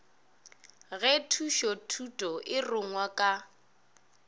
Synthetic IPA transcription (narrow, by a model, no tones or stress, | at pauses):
ɣɛtʰuʃɔtʰutʼɔʔɪrʊŋwakʼa